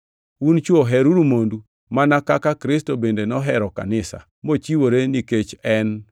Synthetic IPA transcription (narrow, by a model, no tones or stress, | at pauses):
unt͡ʃwoɦɛɾuɾumondu | manakakakɾɪstobendenɔɦɛɾɔka̰nɪsa̰ | mot͡ʃiwoɾeniket͡ʃɛn